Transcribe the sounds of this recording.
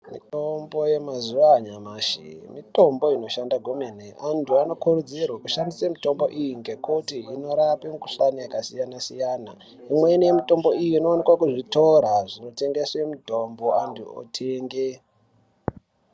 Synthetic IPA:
mito̞mbo̞je̞mazuʋaːɲamaːʃḭmito̞mbo̞ino̞ʃandaɡʱomeneʔantuano̞kurud͡zirwakuʃandisemito̞mbo̞ʔijiŋɡe̞kutiino̞ɾapemkuɬanajakasijanasijaːna | imwe̞nijemito̞mbo̞ijiino̞ːnekwakuʐito̞ɾaʐino̞te̞ŋɡeswe̞mitombo̞antuo̰tʰeːŋɡe

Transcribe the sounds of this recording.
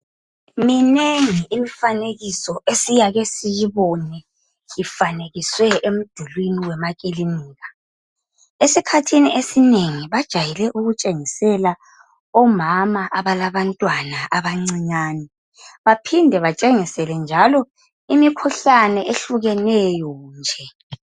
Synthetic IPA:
mineŋiimifaneɣisɔesijaɣesijiβɔnɛ | jifaneɣiswɛʔem̩d̥ʱulwiniwɛmakʼiliniːɣa | esikʰatʰiniesineŋiβad̥ʒ̥ʱajɛlɛʔuɣut͡ʃʼeŋisɛla | ɔmamaʔaβalaβantʼwanaʔaβaŋ͡ǀiɲaːnɛ | βapʰindʱɛβat͡ʃʼeŋisɛlɛnd͡ʒʱalɔ | imikʰuɬanɛeɬuɣɛnɛjɔnd͡ʒʱɛ

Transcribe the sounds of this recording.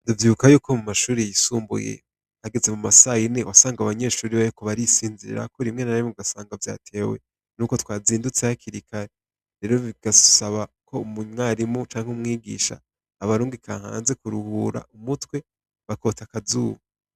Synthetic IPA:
nduvjiβukajuːkomumaʃuːɾijajisuːmbṵjḛ | haɡeze̞mumasajinewasaːŋɡaβaɲe̞ːʃuːɾiβajikoβaɾisiːnziɾḭɾa̰koɾimŋe̞naɾimuɡasaːŋɡavja̰ːtʰe̞ːwe̞̰ | nuːko̞twaːziːndut͡sejakʰiɾikʰaɾe | ɾe̞ːɾo̞βiɡ̥asaβakʰo̞umuɲŋaɾimut͡ʃaːŋheumŋiːɡḭːʃa̰ː | βaɾuːŋɡikʰa̰ːha̰ːnze̞kuɾuhuːɾa̰umutwe̞ | βako̞ːtakazuːβu

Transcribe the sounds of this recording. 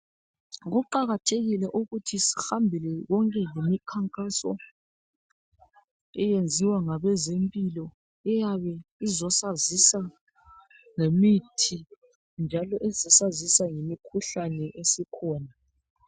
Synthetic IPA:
ɣuǃaɣatʰeɣilɛʔuɣutʰisi̥hambʱilɛɣɔŋkʼɛlemikʰaŋkʼasɔ̰ | ɛjend͡zʱiwaŋaβɛzempʼilɔ | ɛjaβɛizɔsazisa | ŋemitʰi | nd͡ʒʱalɔʔɛzɔsazisaŋemikʰuɬanɛʔesikʰɔːna

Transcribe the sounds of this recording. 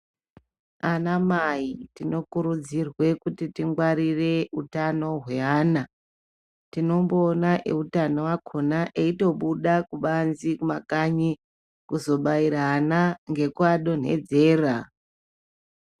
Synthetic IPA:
anamaitino̞kuɾud͡zirwe̞kutitiŋɡwaɾire̞utano̞ɦwe̞aːna | tino̞mbo̞ːnaʔeutanowakʰonaʔeito̞ɓuɗakuɓanzikumakaɲi | kuzo̞ɓaiɾaːnaŋɡe̞kwaɗo̞n̤e̞̰d͡ze̞ːra

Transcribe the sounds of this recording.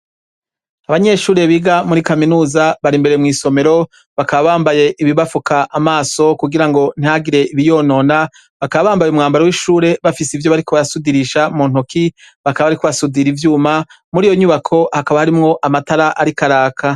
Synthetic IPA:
aβaɲe̞ːʃuːɾe̞βiɡamuɾikaminuːzaβaɾimbe̞ɾemŋiːso̞me̞ɾo̞ | βakaβaβaːmbaje̞ʔiβiβafukaʔamaːso̞kuɡiɾaŋɡo̞n̥iaɡiɾe̞iβijo̞ːno̞ːna | βakaβaβaːmbajumŋaːmbaɾewiʃuːɾe̞βafisivjo̞βaɾikoβaɾasudiɾiʃamun̥oki | βakaβaβaɾikoβasudiɾivjuːma | muɾiːjo̞ɲuːβakʰo̞hakaβahaɾimŋo̞ʔamataɾaʔaɾikaɾaːkʰa

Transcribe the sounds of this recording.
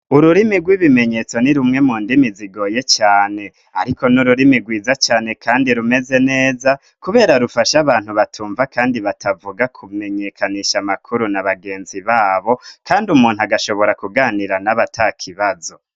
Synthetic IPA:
uɾuɾimiɡwiβime̞ɲe̞t͡so̞niɾumŋe̞muːndimiziɡo̞ːje̞t͡ʃaːne̞ | aɾiko̞nuɾuɾimiɡwiːzat͡ʃaːne̞kʰaːndiɾume̞ze̞ne̞ːza | kuβe̞ːɾaɾufaʃaβaːn̥huβatʰuːɱvakaːndiβatʰavuɡakʰume̞ɲe̞kʰaniʃamakʰuɾunaβaɡe̞ːnziβaːβo̞kʰaːndumuːnhuaɡaʃo̞βo̞ɾakuɡaːniɾanaβatʰakʰiβazo̞

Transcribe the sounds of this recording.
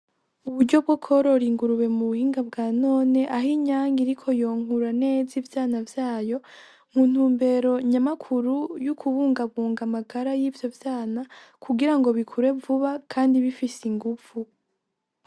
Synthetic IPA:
uβuɾɟo̞b̚ɡokʰo̞ɾoɾiːŋɡuɾuwe̞muβuhiːŋɡabɡaːno̞ːne̞ʔaɦiɲaːŋɡiɾikʰo̞jo̞ːŋ̥uɾane̞ːzivjaːnavjaːjo̞ | muːn̥huːmbe̞ɾo̞ɲamakʰuɾujukʰuβuːŋɡaβuːŋɡamaɡaɾajiːvjo̞vjaːnakʰuɡiɾaŋɡo̞βikʰuɾe̞vuβakʰaːndiβifisiŋɡufu

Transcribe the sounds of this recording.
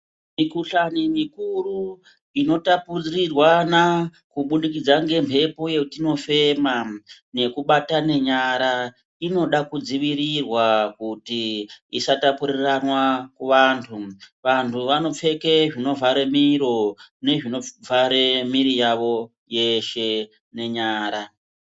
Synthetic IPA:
mikuɬanimikuru | ino̞tapurrirwana | kuɓuɗikid͡zaŋɡe̞mpʰe̞po̞je̞utino̞fe̞ma | ne̞kuɓatane̞ɲaɾa | ino̞ɗakud͡ziʋiɾirwakutiisatapuɾiiranwakuʋantʰuʋantʰuʋano̞p͡fe̞ke̞ʐino̞vʱaɾe̞miɾo̞ne̞ʐino̞vʱaɾe̞miɾijaʋo̞ | je̞ʃe̞ | ne̞ɲaːɾa

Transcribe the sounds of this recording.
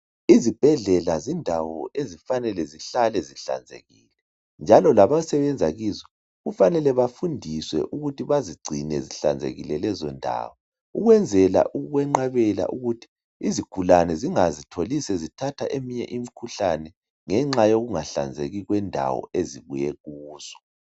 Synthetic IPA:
izib̥ʱɛɮɛlazindʱawɔʔezifanɛlɛziɬalɛziɬa̰nd͡zʱḛɣiːlɛ | nd͡ʒʱalɔlaβasɛβɛnd͡zʱaɣizɔ | ɣufanɛlɛβafundʱiswɛ̰ʔuɣutʰiβaziɡ͡ǀʱinɛziɬa̰nd͡zʱḛɣilɛlɛzɔndʱa̰ːwɔ | uɣwɛnd͡zʱɛla̰ʔuɣwɛŋ͡ǃaβɛla̰ʔuɣutʰi̥ | izikʰulanɛziŋazitʰolisɛzitʰatʰaʔemiɲɛ̰ʔimikʰuɬanɛ | ŋɛŋ͡ǁajoɣuŋaɬa̰nd͡zʱḛɣiɣwɛndʱa̰wɔ̰eziɣujɛɣuːz̥ɔ̥

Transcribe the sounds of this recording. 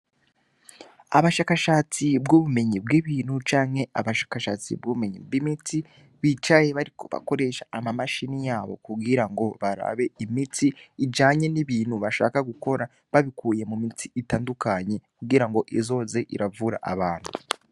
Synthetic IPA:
aβaʃaːkaʃaːt͡sibɡuβume̞ɲibɡiβiːn̥hut͡ʃaːŋhe̞ʔaβaʃḁːkaʃat͡sḭbɡuβume̞ɲḭbɡimiti | βit͡ʃaje̞βaɾikoβa̰ko̞ɾe̞ʃaamamaʃinijaːβo̞̰kuɡiɾaŋɡo̞βaɾa̰βe̞imitiːd͡ʒaːɲe̞niβiːn̥huβaʃa̰ːkaɡuko̞ɾa | βaβikʰuːje̞mumitʰiitaːndukaɲe̞kuɡiɾaŋɡo̞ʔizo̞ːze̞ʔḭɾavuɾa̰ʔaβaːn̥hu

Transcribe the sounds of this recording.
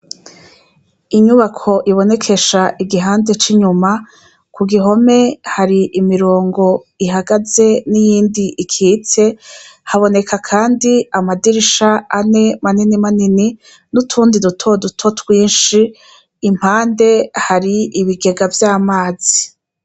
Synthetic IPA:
iɲuβakʰo̞ʔiβo̞ne̞kʰe̞ʃaʔiɡiɦaːnde̞t͡ʃiɲuma | kʰuɡiɦo̞me̞haɾiʔimiɾoːŋɡo̞ | iɦaɡaze̞nijiːndiʔikʰiːt͡se̞haβo̞ne̞kʰakʰaːndiamadiɾiʃaane̞maninimanini | nutʰuːndidutʰodutʰo̞twiːnʃiː | m̥haːnde̞haɾiiβiɡe̞ɡavjaːmaːz̥i

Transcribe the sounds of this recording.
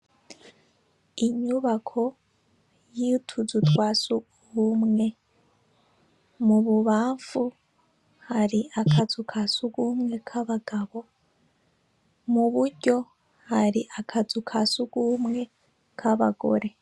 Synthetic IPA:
iɲuβakʰo̞ | jitʰuzutwasu | humŋe̞ | muβuβaːɱfu | haɾiʔakʰazukʰasuɡuːmŋe̞kʰaβaɡaβo̞ | muβuɾɟo̞ | haɾiʔakʰazukʰasuɡ̥umŋe̞ | kʰaβa̰ɡo̞̰ɾe̞

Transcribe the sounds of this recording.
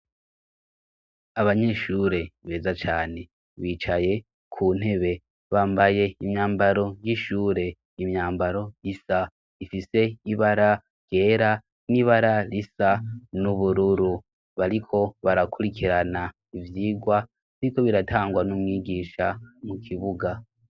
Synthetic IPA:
aβaɲe̞ʃuːɾe̞βe̞ːzat͡ʃaːne̞ | βiːt͡ʃaje̞ | kʰuːn̥he̞βe̞ | βaːmbaje̞imɲaːmbaɾo̞jiʃuːɾe̞ | imɲaːmbaɾo̞jisa | ifise̞iβaɾa | jje̞ːɾa | niβaɾalisanuβuɾuɾu | βaɾikʰo̞βaɾakuɾikʰiɾana | ivjiːɡwa | niko̞βiɾataːŋɡwanumwiːɡiːʃamukʰiβuɡa

